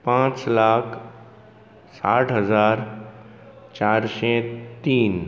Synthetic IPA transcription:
pãːt͡ʃlaːkʰ | saːʈʰɦəzaːɾ | t͡ʃaːɾʃet̪iːn

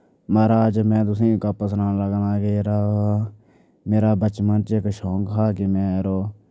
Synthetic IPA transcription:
maːɾaːd͡ʒmɛ̃ːt̪̬ʊsĩːkapəsnãːnləɡnaːkeːɾaː | meːɾaːbət͡ʃmənt͡ʃekʃoːkɦaːkɪmɛ̃ːɾoː

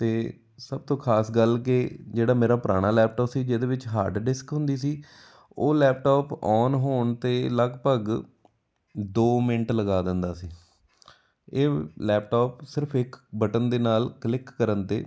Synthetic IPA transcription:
t̪eː | səb̚t̪õːkʰaːsɡəlked͡ʒeːɽaːmeːɾaːpəɾa̰ːɽ̃aːlɛːp̚ʈɔːpsiːd͡ʒeːd̪eːʋɪt͡ʃɦaːɾɖɖɪskɦʊ̃nd̪iːsiː | oːlɛːp̚ʈɔːpɔːnɦoːɳt̪eːləɡpəɡ | d̪oːmɪnʈləɡaːd̪ɪnd̪aːsiː | eːlɛːp̚ʈɔːpsɪɾəpʰɪkbəʈənd̪eːnaːlklɪkːəɾənt̪ḛː

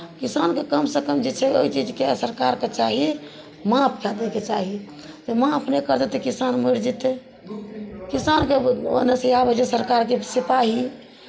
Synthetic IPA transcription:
kisankekəmsekəmd͡ʒet͡ʃʰɛo̰it͡ʃid͡ʒkesəɾkaɾket͡ʃaɦi | mapʰkʰad̪eket͡ʃaɦi | t̪emãəpnekəɾd̪et̪ekisanmiɾd͡ʒit̪e | kisankeo̰nesejabəd͡ʒesəɾkaɾkesipaɦi

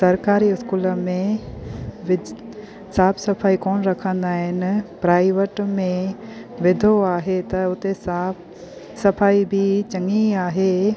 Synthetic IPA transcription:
sɐɾkaːɾiɪskuːləmẽ | ʋɪ | saːpʰsɐpʰaːikɔːnɾɐkʰə̃nd̪aːɦɪnɪ̆pɾaːɪʋəʈmẽʋɪd̪ʱoaːɦet̪ɐʊt̪e | sɐpʰaːibʱit͡ʃɐ̃ŋiaːɦeː

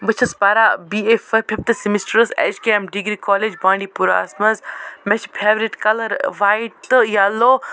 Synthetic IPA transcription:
bɐt͡ʃʰɐspaɾaːbiefɐpʰift̪ɨsimisʈɾəsɛ̰ːʃkemɖiɡɾikɔːled͡ʒbãːɳɖipuɾa̰ːsmɐzmɛt͡ʃpʰeːʋɾiʈkɐlɐɾʋaːjit̪ɨjaːloː

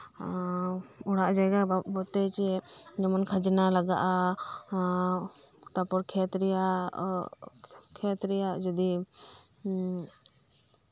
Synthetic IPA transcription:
ɔɽaʔd͡ʒajɡabɔt̪ɛt͡ʃɛd͡ʒɔmɔnkʰad͡ʒɛnalaɡaʔa | t̪apɔɾkʰɛt̪ɾɛja | kʰɛt̪ɾɛjaʔd͡ʒɔd̪i

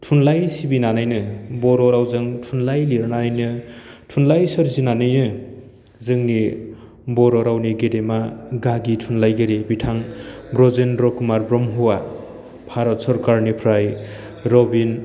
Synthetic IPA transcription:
tʰunlajsibinanajnɯbɔɾɔɾawzɯŋtʰunlajliɾnanajnɯtʰunlajsɯɾzinanɯjnɯ | zɯŋni | bɔɾɔɾawniɡedemaɡaɡitʰunlajɡeɾebitʰaŋbɾɔzenɾɔkumaɾbɾɔmɦuwa | pʰaɾɔt̚sɔɾkaɾnipʰɾaj | ɾɔbin

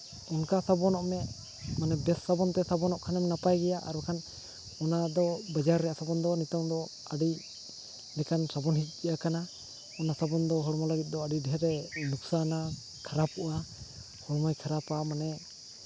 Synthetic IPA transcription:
unkasabɔnɔʔmɛʔ | manɛbɛsːabɔnt̪ɛsabɔnɔʔkʰanɛmɛnapajɡɛjaʔa̰ɾkʰan | ɔnad̪ɔbad͡ʒaɾːɛjasabɔnd̪ɔnit̪ɔmd̪ɔ | aɖi | nɛkansabɔnhit̪̚ˀɡɛjakana | ɔnasabɔnd̪ɔɦɔɽmɔlaɡit̪̚d̪ɔaɖiɖɦɛɾɛnuksana | kʰaɾapuʔa | hɔɽmajkʰaɾapamanɛ

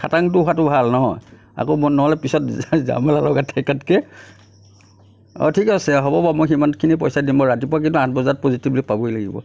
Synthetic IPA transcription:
kʰataŋtʊatʊbʱalnɔɦɔj | a̰komɔnːɔɦɔlɛpisɔtza̰mɔlalɔɡatʰːɛkatkɛ | ɔ̰tʰikɔsɛɦɔbɔbamojximantkʰinipɔjsadimbɔɹatipʊak̬intuãt̚ʰbɔzat̚pozitiblipabɔjlaɡḭbɔ̰

